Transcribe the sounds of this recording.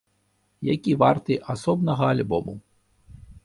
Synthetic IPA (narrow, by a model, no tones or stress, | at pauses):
jakʲivart̪ɨʔasɔbnɐɣɐalʲbɔmṵ